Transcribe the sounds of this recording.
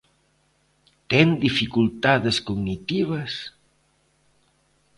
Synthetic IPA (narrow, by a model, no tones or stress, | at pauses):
t̪end̪ifikulˠt̪aðeskuɡnit̪iβəs